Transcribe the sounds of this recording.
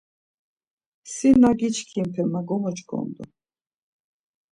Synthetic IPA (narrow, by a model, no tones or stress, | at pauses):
sinaɡit͡ʃʰkʰimpʰɛmaɡɔmɔt͡ʃɡʰɔ̰nd̪ɔ